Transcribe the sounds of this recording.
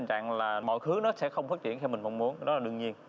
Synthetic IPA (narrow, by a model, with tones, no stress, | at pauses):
ŋt͡ɕa̰ː˧˨ŋlaː˨˩mɔ̰˧˨jxɨ˨˦nɔ˨˦sɛ̰˧˥xə˧wŋ͡mfaː˦˥t̚t͡ɕḭ˧˩ənxʰɛ˧wmï˨˩ŋ̟mɔ˧wŋ͡mmu˨˦ənɗɔ˨˦laː˨˩ɗɨ˧əŋɲi˧ən